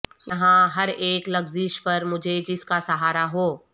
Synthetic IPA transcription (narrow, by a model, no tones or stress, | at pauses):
nɐɦãɦɐɾeːklɐɡzɪʃpɐɾmʊd͡ʒʱed͡ʒɪskasɐɦaːɾaɦoː